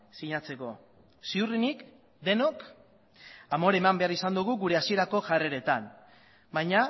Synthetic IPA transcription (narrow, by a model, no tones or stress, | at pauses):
siɲat͡se̞ko̞ | siurinik | d̪e̞no̞k | amo̞ɾe̞mambe̞aɾisand̪uɣ̞uɣuɾe̞asie̞ɾako̞ʝare̞ɾe̞t̪an | bajɲa